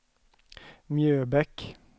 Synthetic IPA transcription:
mjøːbɛk

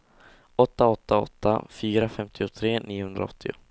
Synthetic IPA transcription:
ɔt̪ːaɔt̪ʰːaɔ̰t̪ʰːa̰fyːɾafɛmt̪ʰɪʊt̪ʰɾeːnʔiːʊhɵnd̪ɾa̰ɔt̪ʰːɪʊ̰

